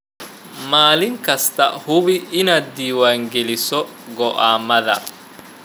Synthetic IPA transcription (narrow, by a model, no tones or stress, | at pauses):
maːlɪŋkʰɐst̪ʰɐhʊβɪʔɪnaːd̪̚d̪iːwaːŋɡɛlɪsɔ | ɡɔʔaːmɐðɐ̰